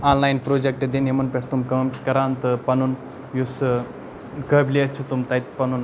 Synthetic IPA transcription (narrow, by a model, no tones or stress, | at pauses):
aːnlaːjnpɾoːd͡ʒek̚ʈed̪enjemɐnpeʈt̪umkɐmkɐɾaːnt̪ɨpɐnun | jus | kəːbliɐt͡ʃʰut̪umt̪ɐit̪pɐnun